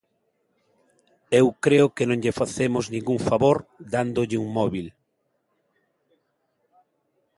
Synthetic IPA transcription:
ewkɾeʊkenõŋʎefaθemʊznĩŋɡuŋfaβoɾd̪and̪ʊʎɪuŋmɔβil

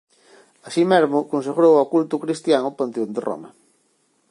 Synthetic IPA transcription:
asimezmʊkõns̬eɣɾowakult̪ʊkɾist̪jaŋʊpant̪eond̪erɔ̰mɐ̰

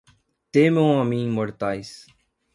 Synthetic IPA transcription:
t̪eːmõãːmĩːməɽt̪aːis

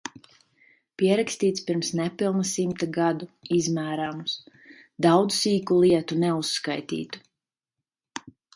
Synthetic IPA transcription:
piɛɾakst̪iːt̪spiɾmsnɛpilˠnasimt̪aɡad̪uizmæːɾamus | d̪awd̪zsiːkulˠiɛt̪unɛusːkajt̪ḭːt̪u̥

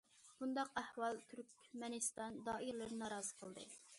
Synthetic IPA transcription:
b̥und̪ɑqæhwɑlˠt̪ʰyɾkʲmɛnɨst̪ɑnd̪ɑːiɾlˠɨɾɨnɑːɾɑːzɨ̥qʰəlˠd̪ɨ̰

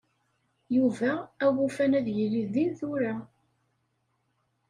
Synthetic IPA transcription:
juvæːwufænæðjəlːiðinθuɾa

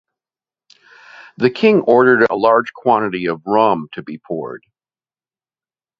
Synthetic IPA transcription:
ðɨkʰɪ̃ŋɔɹɾə˞ɾə̰lɑɹd̥ʒ̥kʰw̥ɑ̃ɾ̃ɨɾiʌvɹʌ̃mtʰɨbipʰɔ̰ɹd̥

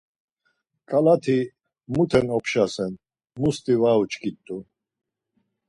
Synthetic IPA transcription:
kʼalat̪ʰi | mut̪ʰɛnɔpʰʃasɛn | must̪ʼivaut͡ʃkʼit̪ʼːu

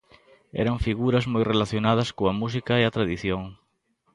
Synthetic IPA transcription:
ɛ̰ɾaɱfiɣuɾɐzmojrelaθjonað̞ɐskoamusikaeat̪ɾaðiθjoŋ

